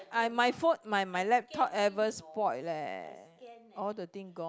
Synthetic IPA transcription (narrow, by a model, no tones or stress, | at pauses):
amajfot̚majmajlɛp̚tʰɔt̚ɛvəspɔt̚lɛ̰ | ɔldət̪ĩŋɡɔ̃